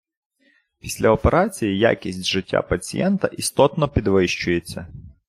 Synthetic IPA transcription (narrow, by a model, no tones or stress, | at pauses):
pʲisʲlʲɐɔpeɾʔɑt͡sʲijija̰kʲisʲtʲʒɪtʲːa̰pɐt͡sʲḭjɛnt̪ɐʔist̪ɔt̪nɔpʲid̪ʋɪʃt͡ʃʊjet͡sʲːɐ